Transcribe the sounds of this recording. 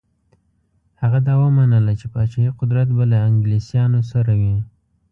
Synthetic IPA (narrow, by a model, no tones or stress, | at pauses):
haɣad̪ɑwəmanəlat͡ʃepɑt͡ʃɑiqʊd̪ɾat̪balaɪŋɡlisjɑnosaɾawi